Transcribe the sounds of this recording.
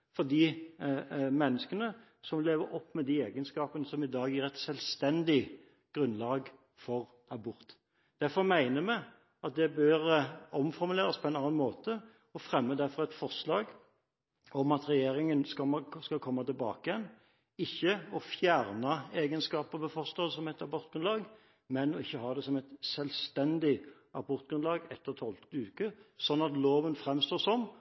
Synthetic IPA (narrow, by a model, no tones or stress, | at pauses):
fɔd̪iː | mɛnːəskənə | sɔmleːʋəɾɔpːmɛd̪ieːɡənskɑːpənəsɔmɪd̪ɑːɡæɾɛt̪sɛlst̪ɛnd̪ɪ | ɡ̥ɾʉnlɑːɡ | fɔʁ | ɑbʊɾt̪ | d̪̥æɾfɔɾmæɪnəmæ | ɑt̪̚d̪ɛbøɾɔmfɔɾmʉleːɾɑspʰɔɛɪnɑːnɑnmoːt̪ə | ɔfʁɛmːəd̪æɾfɔʁɛt̪fɔʁʂlɑːɡ | ɔmɑt̪ɾɛjeːɾɪŋənskɑskɑkʰɔmːɑt̪ɪlbɑ̰ːkəjɛn | ɪçːəɔfjæʁnɑeːɡənskɑːpəʋɛfɔʁʂlɑsɔmɛɪt̪ɑbɔʁt̪̚ɡ̥ɾʉnlɑːɡ | mɛnɔɪçːəhɑːd̪ɛsɔmɛɪt̪sɛlst̪ɛnd̪ɪ | ɑbɔɾt̪̚ɡɾʉnlɑːɡɛt̪ːəɾt̪ʰɔlt̪ʉːkəsɔnːɑt̪loːʋənfɾɛmst̪oːɾsɔm